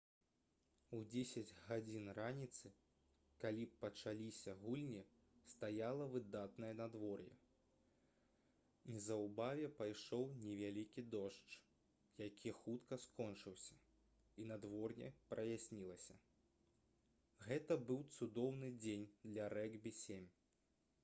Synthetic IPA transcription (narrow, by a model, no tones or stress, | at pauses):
ud͡zʲesʲɐd͡zʲɣad͡zʲinranʲit̪sɨ | kalʲipɐt͡ʂalʲisʲɐɣulʲnʲi | st̪ajalˠɐvɨd̪at̪nɐjɐnad̪vɔrjɛ̰ | nʲizɐwbavʲɛpajʂɔwnʲɛvʲalʲikʲid̪ɔʂt͡ʂ | jakʲʰixut̪kɐskɔnt͡ʂɨwsʲɐ̥ | inɐd̪vɔrnʲɛ̰pɾɐjasʲnʲilˠɐsʲɐ | ɣɛt̪ɐbɨwt̪sud̪ɔwnɨd͡zʲenʲd̪lʲɐɾɛɡbʲisʲemʲ